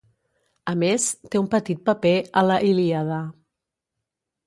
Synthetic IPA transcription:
əmest̪eumpət̪it̪̚pəpeələʔiliaðə

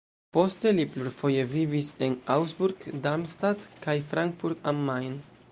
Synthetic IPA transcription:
po̞stelipluɾfo̞je̞vivise̞nawsbuɾɡdaɾmstadkajfɾaŋkfuɾɡamːajn

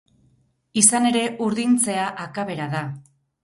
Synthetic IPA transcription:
isane̞ɾe̞ʔuɾðint͡se̞aʔakaβe̞ɾaða

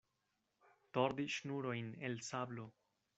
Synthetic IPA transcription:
toɾdiʃnuɾo̞jnelsablo

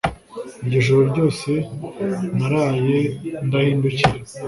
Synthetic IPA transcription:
iɾɟeʒoɾoɾɟo̞ːse̞ | naɾaːjendahiːnduciɾe

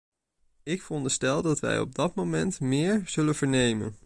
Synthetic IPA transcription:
ɪkfərɔndəstɛlˠdɑtʋɛ̰jɔ̰b̚dɑtmomɛntmɪːɹz̥ɵlənvəɹnejmə̰n

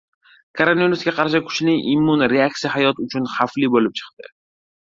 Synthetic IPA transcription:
kʰoɾonaviɾusɡʲaqʰɑɾʃ̬ɪkʰʊ̥t͡ʃnɪʔɪmːʊnɾeak̚t̪ijaɦajɒt̪ʊt͡ʃʰʊnχaflibolɪp̚t͡ʃʰɨ̥qd̪ɪ

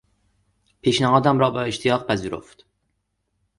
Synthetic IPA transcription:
pʰiːʃnæhɒːd̪æmɾɒːbeeʃt̪ʰijɒːɣpʰæziːɾo̞̰ft̪

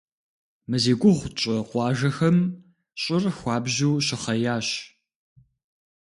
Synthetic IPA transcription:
mɨzeːɡʷʊʁʷt͡ʃʼɐqʷɑːʒɐxɐm | ɕʼɪrxʷɑːbʑuwːɕɪχɐjaːɕ

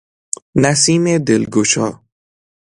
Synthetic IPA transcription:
næsiːmed̪elɡot͡ʃʰɒː

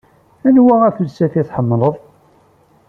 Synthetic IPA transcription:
ænwææθulsæθiθħəmːləðˤ

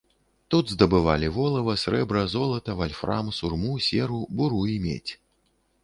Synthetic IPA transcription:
t̪ud̪zd̪ɐbɨvalʲivɔlˠɐvɐsɾɛbɾɐzɔlˠɐt̪ɐvalʲfɾa̰msurmusʲɛɾubuɾuimʲḛt͡sʲ

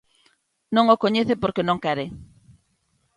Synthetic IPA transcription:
nõŋokoɲeθepoɾkenõŋkaɾe

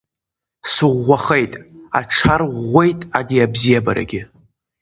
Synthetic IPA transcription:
sɨʁːaχejtʼa̰ʈ͡ʂʰarʁʷe̞jtʼadiabzijabaɾa̰ɡʲɪ

